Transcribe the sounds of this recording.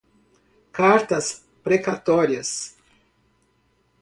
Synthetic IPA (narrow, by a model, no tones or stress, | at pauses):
kaɾt̪ɐs | pɾekat̪oɾiɐs